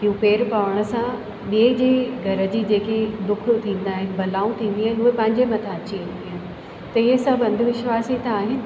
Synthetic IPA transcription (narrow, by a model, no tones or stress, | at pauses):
ijũpeːɾpaːʋəɽ̃ə̆sã | ɓied͡ʑeːɡʱɐɾə̆d͡ʑiːd͡ʑeːked̪ʊkʰʊ̆t̪ʰĩːn̆d̪aːɦɪnɪ̆bɐlaːũt̪ʰĩːn̆d̪iɦənɪʊɦepɐ̃ɦɪ̃ɲd͡ʑemɐ̃t̪ʰãɐt͡ɕĩnd̪iɦənɪ̆ | t̪ɐɪɦəsɐãbɐ̃nd̪ʱʋɪʃʋaːsit̪ãaːɦɪnɪ̆